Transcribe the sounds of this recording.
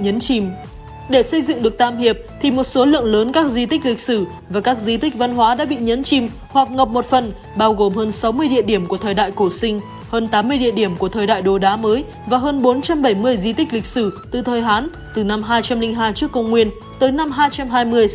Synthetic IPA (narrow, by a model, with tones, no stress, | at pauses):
ɲə˨˦nt͡ɕi˧˩m | ɗe˧˩sə˧jzɨ̰˧˨ŋɗɨ˨˩ək̚t̪aː˧˩mhi˨˩əp̚t̪ʰi˨˩mo˨˩t̚so˨˦lɨ̰˧˨əŋləː˨˦nkaː˦˥k̚zi˧t̪ï˦˥k̟̚lï˨˩k̟̚sɨ˧˩ | vaː˨˩kaː˦˥k̚zi˧t̪ï˦˥k̟̚va˧nɦwaː˨˦ɗa̰ː˧˥ɓḭ˧˨ɲə˨˦nt͡ɕi˧˩m | hwa˨˩k̚ŋə˨˩p̚mo˨˩t̚fə˨˩n | ɓaː˧wɣo˨˩mhəː˧nsa˨˦wmɨ˧əjɗḭ˧˨əɗi˧˩əmku˧˩ət̪ʰəː˨jɗa̰ː˧˨jko˧˩sï˧ŋ̟ | həː˧nt̪aː˨˦mːɨ˧əjɗḭ˧˨əɗi˧˩əmku˧˩ət̪ʰəː˨˩jɗa̰ː˧˨jɗo˨˩ɗaː˨˦məː˨˦j | vaː˨˩ɦəː˧nɓo˨˦nt͡ɕa˧mɓə˧˩jmɨ˧əjzi˧t̪ï˦˥k̟̚li˨˩k̚sɨ˧˩t̪ɨ˨˩t̪ʰəː˨˩jɦaː˨˦n | t̪ɨ˨˩na˧mɦaː˧jt͡ɕa˧mlï˧ŋ̟ɦaː˧jt͡ɕɨ˦˥əkːə˧wŋ͡mŋwi˧ən | t̪əː˨˦jna˧mɦaː˧jt͡ɕa˧mɦaː˧jmɨ˧əj